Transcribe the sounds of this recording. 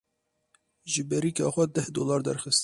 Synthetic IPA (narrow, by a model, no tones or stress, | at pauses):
ʒɨbɛɾiːkɑ̰ːxʷɛd̪ɛhd̪oːlɑːɾd̪ɛ̰ɾxɨst̪